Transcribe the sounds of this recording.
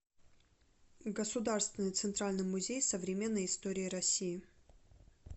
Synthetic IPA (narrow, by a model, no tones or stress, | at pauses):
ɡəsʊd̪arst̪vʲɪnɨjt̪sɨnt̪ɾalʲnɨjmʊzʲejsəvɾʲɪmʲe̞nːəjɪst̪oɾʲɪːɾɐsʲːijɪ